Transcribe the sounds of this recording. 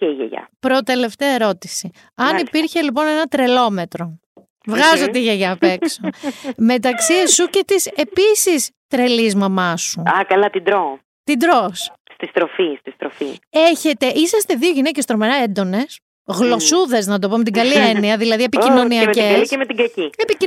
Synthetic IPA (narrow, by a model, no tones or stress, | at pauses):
ceiʝḛʝɐ̰pɾo̞t̪e̞le̞ft̪eɐe̞ɾo̞t̪isi | ɐnipiɾçelip̬o̞nenɐt̪ɾe̞lo̞me̞t̪ɾo̞ | vɣɐzot̪eiʝeʝɐpeksome̞t̪ɐksiesuce̞t̪ise̞pisist̪ɾe̞lizmɐmɐsuɐkɐlɐt̪ind̪ɾo | t̪id̪ɾosst̪ist̪ɾofist̪ist̪ɾofieçe̞t̪e̞ʔisɐst̪e̞ðio̞ʝinecest̪ɾomeɾɐend̪o̞ne̞s | ɣlo̞suðe̞znɐt̪̬o̞po̞met̪iɡɐlieniɐðilɐðie̞picino̞niɐcesemet̪iɡɾɐciepi